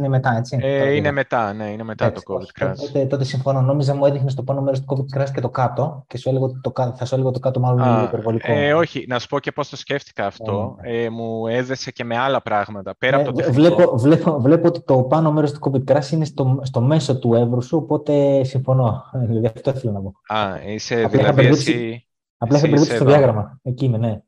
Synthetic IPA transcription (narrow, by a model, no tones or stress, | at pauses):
inemet̪ɐe̞t͡siinemet̪ɐneinemet̪ɐt̪o̥viɾɐt̪ot̪et̪o̞t̪̬esiɱfono̞no̞mizɐmue̞ðixnest̪o̞pɐno̞meɾst̪u̥ko̞vid̪̚kɾɐscet̪o̞kɐt̪o̞ce̞sueleɣot̪t̪okɐθɐsueleɣot̪okɐt̪o̞mɐlonipeɾvo̞likooçinɐsu̥po̞ce̞po̞st̪o̞sceft̪i̥kɐːft̪o̞emueðesece̞me̞ɐlɐpɾɐɣmɐt̪ɐpeɾɐevlepovle̞povle̞poot̪i̥t̪o̞pɐno̞me̞ɾo̞st̪u̥ko̞vid̪̚kɾɐsine̞st̪ost̪o̞me̞so̞t̪ue̞vɾusuopo̞t̪e̞siɱfo̞no̞ðilɐðiɐft̪o̞iθelɐnɐpo̞ɐiseɐplɐixɐpeɾðipsi | ɐplɐixɐpeɾðispsst̪ðjɐɣɾɐmɐeciinene̞